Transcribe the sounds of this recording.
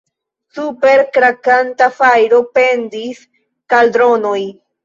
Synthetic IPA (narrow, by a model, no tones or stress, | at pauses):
supe̞ɾkɾakant̪afajɾo̞pe̞ndis | kaldɾo̞noj